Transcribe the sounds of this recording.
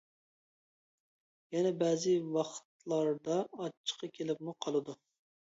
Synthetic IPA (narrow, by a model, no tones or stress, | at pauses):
jɛnɛbɛːzɨwɑχt̪lˠɑɾd̪ɑɑt͡ʃʰːə̥qɑkʲʰelɪpmuqʰɑlˠɨd̪u